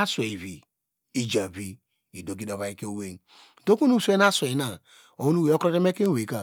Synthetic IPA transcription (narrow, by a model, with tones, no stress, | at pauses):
a˦swe˨i˨vi˨ | i˨d͡ʒa˨bi˦ | i˨do˨ki˦do˨βa˨i˦ke˦o˦we˦n˨ | to˦ku˦nu˦˨se˦na˦swe˨i˨˦na˦˨ | o˨u˦nu˦we˨o˦kɾo˦de˦me˦ke˦n˦we˨ka˦˨